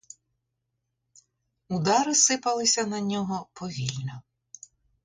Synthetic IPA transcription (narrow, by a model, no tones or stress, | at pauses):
ud̪ɑɾɪsɪpɐlˠɪsʲɐnɐnʲɔɦɔpɔʋʲilʲnɔ